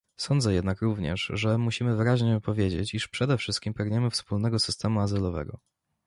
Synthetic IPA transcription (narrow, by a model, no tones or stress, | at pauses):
sɔnd̪zɛjɛd̪nakɾuvɲɛ̰ʂʐɛmuɕimɘvɘɾaʑɲɛpɔvʲjed͡ʑḛt͡ɕiʂpʂɛd̪ɛfʂɘst̪kʲimpɛɡɲɛmɘfspulnɛɡɔsɘst̪ɛmuazɘlɔvɛ̰ɡɔ̰